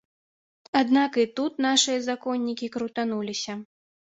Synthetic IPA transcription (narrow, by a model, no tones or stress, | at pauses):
ad̪nakɨt̪ut̪naʂɨjɐzakɔnʲːikʲikɾut̪anulʲisʲɐ